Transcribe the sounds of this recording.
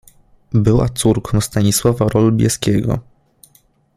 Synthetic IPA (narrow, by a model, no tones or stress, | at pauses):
bɘwa̰t̪suɾkʰɔ̃w̃st̪aɲiswavaɾʔɔlubʲjɛ̰skʲɛɡɔ̰